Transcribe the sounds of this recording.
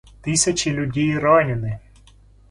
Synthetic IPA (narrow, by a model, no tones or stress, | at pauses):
t̪ɪsʲɐt͡ʃilʲʊdʲijɾɔnʲɪnɪ